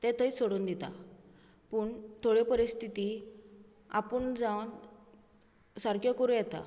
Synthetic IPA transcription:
t̪ɛ̃t̪ʰəisoɽuːnd̪it̪a̰ | pəːɳt̪ʰoɽipəɾist̪ʰit̪i | a̰pəɳd͡zawn | saɾkjɔkoɾũjɛt̪a̰

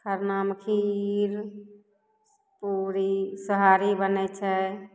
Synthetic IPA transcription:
kʰəɾnaːmkʰiiɾ | puɾisəɦaːɾibənɛt͡ʃʰɛ

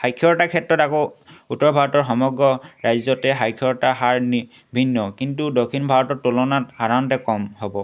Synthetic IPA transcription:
ajkʰːɔɹtakʰɛtɹɔtakoutːɔɹbʱaɹɔtɔɹxɔmɔɡɹɔɹajzɔtɛɦajkʰːɔɹtaɦaɹni | bʱinːɔkintudokʰːinbʱaɹɔtɔɹtulɔnathaɹantɛkɔmhɔbɔ

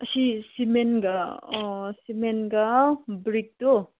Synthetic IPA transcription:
ɐsisimenɡa | simenɡabɾik̚to

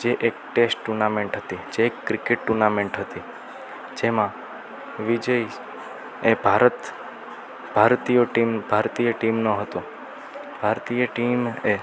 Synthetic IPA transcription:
d͡ʒeʔek̚ʈesʈʈuɾnameɳʈɦət̪id͡ʒeːkːɾɪkeʈ̚ʈuɾnamẽɳʈɦət̪i | d͡ʒemã | ʋid͡ʒəi | ebʱaɾət̪ | b̥ʱaɾt̪ijoʈimbʱaɾt̪ijəʈimnoɦət̪o | b̥ʱaɾt̪ijəʈime

